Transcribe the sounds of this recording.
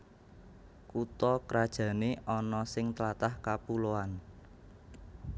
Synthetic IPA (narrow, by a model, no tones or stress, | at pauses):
kut̪ɔkəɾad̥ʒ̥ä̤neʔɔnɔsɪŋt̪lat̪ahkapuloan